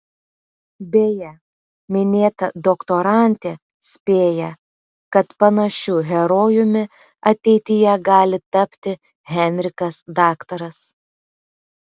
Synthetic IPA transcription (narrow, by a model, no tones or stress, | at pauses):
bʲeːjɛ | mʲɪnʲeːt̪ɐd̪ɔkt̪oɾɑˑnʲt̪ʲeː | sʲpʲeːjɛ | kɐt̪pɐnɐʃʲuːɣʲɛɾoːjʊmʲɪ | ɐt̪ʲɛɪt̪ʲɪjɛɡɑːlʲɪt̪ɐpʲt̪ʲɪ | ɣʲɛnʲɾʲɪkɐsd̪ɑːkt̪ɐɾɐs